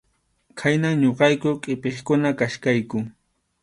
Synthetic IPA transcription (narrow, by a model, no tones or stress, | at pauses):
kʰajnaŋɲoqɑjkʊkʼɪpeχkʊnakaʃkajkʊ